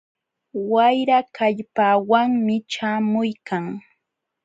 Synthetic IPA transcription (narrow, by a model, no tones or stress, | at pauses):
wajɾakʰaʎpawaŋmɪt͡ʃaːmʊjkʰaŋ